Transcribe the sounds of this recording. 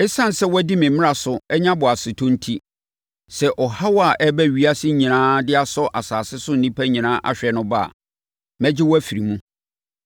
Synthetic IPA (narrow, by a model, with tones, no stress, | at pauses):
ɛ˦sã˦n˨sɛ˦wɔ˦di˦mɪ̃˨mɪ̃˦a˨sʊ˨ɛ˦ɲã˦bʊ˨a˨sɪ˨tʰʊ̃˦n̩˦tʰi˦ | sɛ˨ʔɔ˨ha˦wɔ˦a˨ʔɛ˦bɛ˦ɥi˦a˦sɪ˦ɲĩ˨nãː˦dɪ˦a˨sɔ˦ʔa˨saː˨sɪ˦sʊ˦n̩˨nĩ˦pʰæ˦ɲĩ˨nãː˦ʔa̰˦˨ɕᶣɛ˨nʊ̃˦ba̰˦˨ | mɛ̃˦d͡ʑɪ˦wɔ˦æ˦fi˨ɾi˨mũ˦